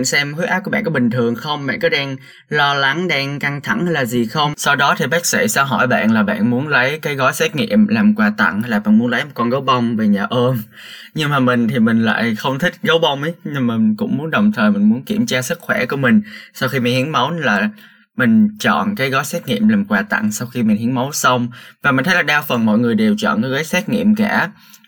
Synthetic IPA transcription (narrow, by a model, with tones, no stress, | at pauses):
nsɛ˧mhu˦˥ʔaː˦˥ku˧˩ɓa̰ː˧˨kɔ˨˦ɓï˨˩ŋ̟t̪ʰɨ˨˩əŋxə˧wŋ͡mɓa̰ː˧˨nkɔ˨˦ɗɛ˧ŋ | lɔ˧la˨˦ŋɗɛ˧ŋka˧ŋt̪ʰa˧˩ŋhə˧laː˨˩zi˨˩xə˧wŋ͡msa˧wɗɔ˨˦t̪ʰi˨˩ɓa˦˥k̚sḭ˧˩saː˧wɦɔ̰˧˩jɓa̰ː˧˨nlaː˨˩ɓa̰ː˧˨nmu˨˦ənlə˨˦jkaː˨˦jɣɔ˨˦jsɛ˦˥t̚ŋḭ˧˨əmlaː˨˩mkwaː˨˧˩t̪ə̰˧˨ŋhlaː˨˩ɓa̰ː˧˨nmu˨˦ənlə˨˦jm˨˩t̚kɔ˧nzə˨˦wɓə˧wŋ͡mve˨˩ɲaː˨˩ʔəː˧m | ɲɨ˧ŋmaː˨˩mï˨˩ŋ̟t̪ʰi˨˩mï˨˩ŋ̟la̰ː˧˨jxə˧wŋ͡mt̪ʰï˦˥k̟̚ɣə˨˦wɓə˧wŋ͡mʔə˨˦jɲɨ˧ŋmï˨˩˨kʊ̰˧˥ŋ͡mmu˨˦ənɗə˨˩wŋ͡mt̪ʰəː˨˩jmï˨˩ŋ̟mu˨˦ənki˧˩əmt͡ɕaː˧sɨ˦˥k̚xwɛ˧˩ku˧˩əmï˨˩ŋ̟sa˧wxi˧mi˨˩nhi˨˦ənmə˨˦wlaː˨˩ | mï˨˩ŋ̟t͡ɕɔ̰˧˨nkaː˨˦jɣɔ˨˦jsɛː˦˥t̚ŋḭ˧˨əmlaː˨˩mkwaː˨˩t̪a̰˧˨ŋsa˧wxi˧mi˨˩nhi˨˦ənmə˨˦wsə˧wŋ͡mvaː˨˩mi̟˨˩t̪ʰjlaː˨˩ɗaː˧wfə˨˩nmɔ̰˧˨jŋɨ˨˩əjɗe˨˩wt͡ɕɔ̰ː˧˨nkaː˨˦ɣɔː˨˦jsɛː˦˥t̚ŋḭ˧˨əmkaː˧˩